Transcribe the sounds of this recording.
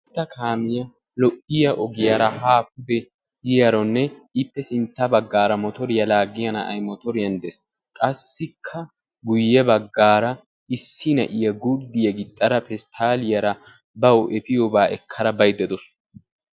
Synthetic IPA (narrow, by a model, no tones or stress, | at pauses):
t̪ːɐkʰaːmɪjɐ | lɔʔɪjɐʔɔɡɪjɐɾɐhaːpʊd̪ɛ | jɪjɐɾɔnːɛɪpːɛsɪnt̪ːɐbɐɡːaːɾɐmɔt̪ɔɾɪjɐlaːɡɪjɐnɐɐ̰jmɔt̪ɔɾɪjɐnd̪ɛs | kʼɐsːɪkʰːɐ | ɡʊjːɛbɐɡːaːɾɐ | ɪsːɪnɐ̰ʔɪjɐɡʊɾd̪ɪjɐɡɪt̪ʼːɐɾɐpɛst̪ʰaːlɪjɐɾɐ | bɐwʔɛpɪjɔbaːʔɛkʰːɐɾɐbɐjd̪ɛd̪ɔs